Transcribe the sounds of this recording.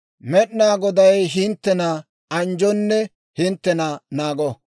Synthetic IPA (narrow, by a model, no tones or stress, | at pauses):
mɛɗnaːɡɔd̪ɐjɦɪnt̪ːɛnɐ | ɐnd͡ʒɔnːɛ | hɪnt̪ːɛnɐnaːɡɔ